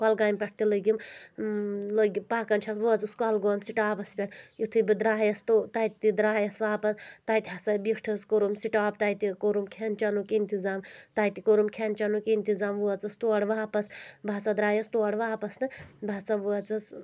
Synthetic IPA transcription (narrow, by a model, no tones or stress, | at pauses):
kɐlɡaːmʲpʲɐʈ̚ʰt̪iləɡʲim | ləɡʲipaːkɐnt͡ʃʰɐsʋuɐt͡suskɔlɡoːmsiʈaːpɐspʲɐʈjut̪ʰɨbɨd̪ɾaːɦjɐst̪ut̪ajt̪id̪ɾaːjɐsʋaːpɐst̪ajt̪ʲiɦɐsɐbikʰʈʰɐskoɾumsiʈaːbt̪ɐjt̪ikoɾumkʰent͡ʃɐnukint̪izaːmt̪ajt̪ikoɾumkʰent͡ʃɐnukint̪izaːmʋuɐt͡sɐst̪uɐɽʋaːpɐsbʱaːt͡sad̪ɾaːjɐst̪uɐɽʋaːpɐsnɨbʱaːt͡saʋuɐt͡sɐs